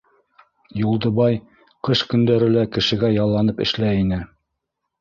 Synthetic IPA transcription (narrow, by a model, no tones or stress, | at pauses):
julˠd̪ɤ̆βɑj | qɤʃkɵ̆nd̪æɾɘlækɘ̆ʃɘ̆ɡæjɑlˠːɑnɤpɘ̰̆ʃlæinɘ